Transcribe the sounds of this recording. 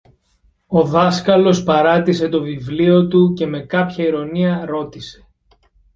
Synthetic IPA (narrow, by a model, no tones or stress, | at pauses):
o̞ðɐskɐlo̞spɐɾɐt̪ise̞t̪o̞vivlio̞t̪uce̞me̞kɐpçɐiɾo̞niɐɾo̞t̪ise̞̥